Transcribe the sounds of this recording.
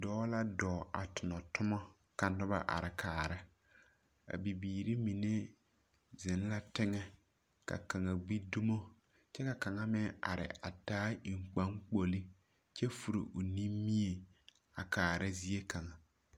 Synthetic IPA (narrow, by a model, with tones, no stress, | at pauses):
dɔː˦la˦dɔː˨a˨tʊ˨nɔ˨tʊ˦mɔ˦ | ka˨nʊ˦ba̰˦ʔa̰˨ɾɪ˨kʰaː˨ɾɪ˦ | a̰˨bi˨biː˨ɾi˦mi˨ne˦ | zɪ˨n˦la˦tɪ˦ŋɛ˦ | ka̰˨ka˨ŋa˨bi˦du˦mo˦ | t͡ʃɛ˦ka˨ka˨ŋa˦mɪ˦a̰˨ɾɪ̰˨ʔa̰˨taː˦i˨ŋ͡mk͡pa˦ŋk͡po˨li˦ | t͡ʃɛ˦fu˨ɾḭ˨ʔʊ˨ni˦mːi˦e˨ | a˨kaː˨ɾɪ˦zi˦e˦ka˨ŋa˨